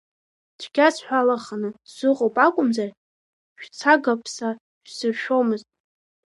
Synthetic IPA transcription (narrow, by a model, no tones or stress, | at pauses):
dʷʰɡʲasħʷᶣalaχanɨzɨqʼopʼakʷʼʊmzar | ʃᶣt͡sʰaɡapʰsa | ʃᶣsɨrʃᶣo̞mɨztʼ